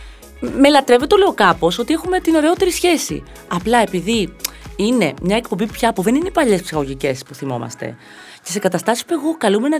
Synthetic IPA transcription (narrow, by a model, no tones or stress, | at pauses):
me̞lɐt̪ɾe̞vet̪ole̞okɐpo̞so̞t̪ie̞xume̞t̪ino̞ɾeot̪e̞ɾisçe̞sḭ | ɐplɐe̞piðiine̞mɲɐek̚po̞mbipçɐpuðe̞nineipɐʎe̞spsixɐɣo̞ʝice̞spuθimo̞̰mɐ̰st̪e̞̰ | ce̞se̞kɐt̪ɐst̪ɐsi̥spue̞ɣokɐlume̞nɐ